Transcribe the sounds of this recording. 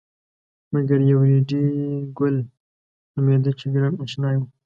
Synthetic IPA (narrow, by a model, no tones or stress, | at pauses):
maɡaɾjawɾeɖiɡʊl | ʊmed̪ət͡ʃeɡɾameʃnɑju